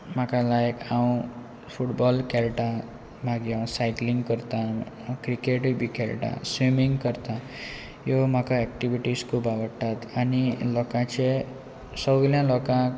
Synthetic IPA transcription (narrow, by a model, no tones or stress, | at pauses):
makalajkʰaw̃ | pʰuʈbɔlkʰelʈã | maɡjãsajkliŋɡkəɾt̪ã | kɾikeʈbikʰelʈã̰swimiŋɡkʌɾt̪ã | jom̤akaɛk̚ʈiʋiʈiskobabəʈ̪ːat̪anilɔkãt͡se | sɔɡljãlɔkã